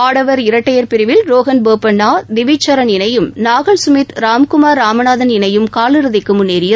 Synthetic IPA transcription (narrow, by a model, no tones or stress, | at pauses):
aːɽɐʋɐɾɪɾɐʈːɐjɐɾpɪɾɪʋɪlɾoːɣɐnboːpɐnːaːd̪ɪʋɪt͡ʃːɐɾɐnɪnɐjɯmnaːɣɐɭsʊmɪt̪ɾaːmkʊmaːɾːaːmɐnaːðɐnɪnɐjɯmkaːlɯɾɯðɪkːɯmʊnːeːɾɪjɐ